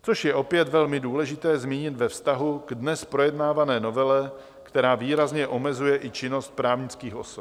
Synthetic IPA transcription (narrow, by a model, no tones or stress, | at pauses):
t͡so̞ʃjɛʔo̞pjɛt̪vɛlmɪduːlɛʒɪt̪ɛːzmiːɲɪt̪vɛfst̪aɦuɡ̥dnɛspɾo̞jɛdnaːvanɛːno̞vɛlɛ | kt̪ɛɾaːviːɾazɲɛʔo̞mɛzujɛʔɪt͡ʃɪno̞st̪̚pɾaːvɲɪt͡skiːxʔo̞̰sop